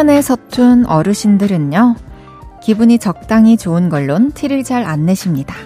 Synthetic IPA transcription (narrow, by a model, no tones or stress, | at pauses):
ʌne̞sʰʌtʰunʌɾɯɕʰindɯɾɯɲːʌ | kibuɲit͡ɕʌk̚t͈aŋit͡ɕoɯnɡʌɭːontʰiɾɯɭd͡ʑaɾanːe̞ɕʰimɲida